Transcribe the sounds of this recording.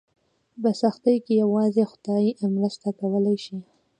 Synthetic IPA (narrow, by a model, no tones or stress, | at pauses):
pəsaxt̪əjkejawɑzexʊ̥d̪̥ɑjimɾəst̪akawəlajʃi